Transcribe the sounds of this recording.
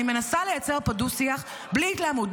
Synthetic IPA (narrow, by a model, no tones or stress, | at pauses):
ime̞nasale̞jat͡se̞ʁpadusiaχ | bliːtlaːmud